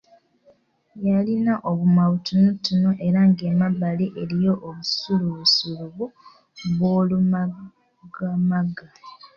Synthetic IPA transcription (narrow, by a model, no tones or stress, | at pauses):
jalinaʔoβumaβutunutːunoʔe̞ɾaŋɡemabaleʔelijo̞ʔoβusuluβusuluβu | βoːluma | ɡamaɡa